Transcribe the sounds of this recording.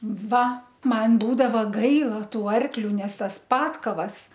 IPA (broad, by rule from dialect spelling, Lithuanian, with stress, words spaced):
ˈʋɐ ˈmɐn ˈbuːdɐʋɐ ˈɡɐɪlˠɐ ˈtuː ˈɐrklʲʊ ˈnʲɛs ˈtɐs ˈpɑːtkɐʋɐs